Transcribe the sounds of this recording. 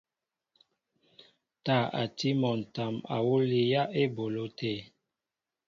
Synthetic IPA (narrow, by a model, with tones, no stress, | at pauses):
ta˦˨a̰˨ti˦mɔ˨n˨ta˨ma̰˨wo˦li˦ja˦ʔe˦bo˨lo˦te˦˨